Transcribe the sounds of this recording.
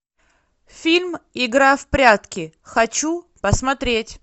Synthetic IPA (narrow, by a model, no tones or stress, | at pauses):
fʲilʲmɪɡɾafpɾʲat̪kʲɪ | xɐt͡ɕu | pəsmɐt̪ɾʲetʲ